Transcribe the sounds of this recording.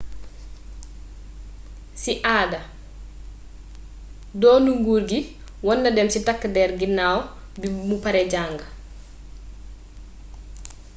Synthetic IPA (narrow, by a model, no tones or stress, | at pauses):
siʔaːdɐ | dɔːnuŋɡuːɾɡi | wɔnːɐdɛmsitakːdɛːɾɡinːaːwɔ | bimupaɾɛɟaːŋɡɐ